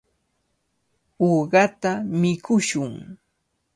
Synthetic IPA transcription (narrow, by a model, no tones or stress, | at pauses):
oːɢɑt̪amɪkʊʃʊŋ